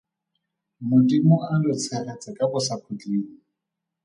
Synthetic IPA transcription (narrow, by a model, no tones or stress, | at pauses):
mʊtʼimʊandʊt͡sʰɛʔɛt͡sʼɪkʼabʊsakʰʊt͡ɬʼiːŋ̩